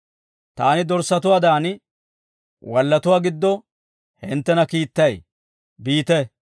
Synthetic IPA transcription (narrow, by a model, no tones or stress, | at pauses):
t̪aːnɪd̪ɔɾsːɐt̪ʊwaːd̪aːn | wɐlːɐt̪ʊwaːɡɪd̪ːɔ | hɪ̰nt̪ːɛnɐkiːt̪ːɐj | biːt̪ɛ